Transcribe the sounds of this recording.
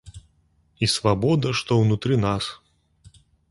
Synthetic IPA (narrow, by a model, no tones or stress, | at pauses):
isvabɔd̪ɐʂt̪ɔwnut̪ɾɨnas